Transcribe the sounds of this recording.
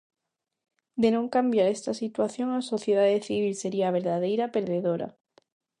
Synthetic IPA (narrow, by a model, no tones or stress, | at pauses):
d̪enõŋkambjaɾest̪asit̪waθjo̞ŋaso̞θjeð̞aðeθiβilseɾiaβ̞eɾðaðejɾapeɾðeðoɾa̰